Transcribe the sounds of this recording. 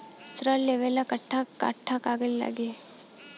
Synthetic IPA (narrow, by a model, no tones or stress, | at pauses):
sɾəleʋelakəʈʰːaka̰ʈʰːakaɡəlila̰ɡe